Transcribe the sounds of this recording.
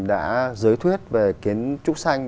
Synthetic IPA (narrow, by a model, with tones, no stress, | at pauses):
ɗa̰ː˧˥zɨː˨˦jt̪ʰwi˦˥ət̚ve˨˩ki˨˦ənt͡ɕʊ˦˥k͡p̚sa˧jŋ